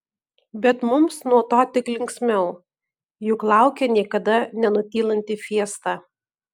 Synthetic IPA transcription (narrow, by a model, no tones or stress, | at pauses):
bʲɛt̪mʊmsnuɔt̪oːt̪ʲɪklʲɪŋʲksʲmʲɛʊ | jʊklˠɑˑʊkʲɛnʲiɛkɐd̪ɐnʲɛnʊt̪ʲiːlˠɐnʲt̪ʲɪfʲiɛst̪ɑ